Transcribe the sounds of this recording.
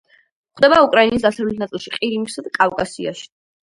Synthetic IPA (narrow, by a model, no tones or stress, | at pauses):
χwd̪ɛbaukʼɾainisd̪asavlɛt̪̚ʰnat̪sʼilˠʃiqʼiɾimisad̪akʼavkʼasia̰ʃi̥